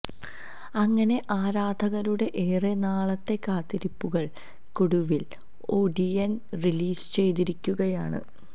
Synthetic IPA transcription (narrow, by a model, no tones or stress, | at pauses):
ɐŋːɐne̞ʔaːɾaːd̪ʱɐɣɐɾuɽe̞ʔeːrenaːɭɐt̪ːe̞kːaːt̪ːiɾipːuɣɐɭ | kuɽuʋil | o̞ːɖiɐnriliːsɨ̥t͡ɕe̞jt̪̬iɾikʲːuɣɐjaːɳɨ̰